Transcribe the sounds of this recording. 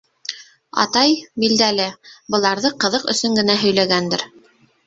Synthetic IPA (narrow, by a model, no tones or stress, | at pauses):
ɑ̰t̪ɑjbild̪ælɘbɤ̆lˠɑɾðɤqɤ̆ðɤqɵ̰̆sɵŋɡɘ̆næɦɵ̆jlæɡænd̪ɘɾ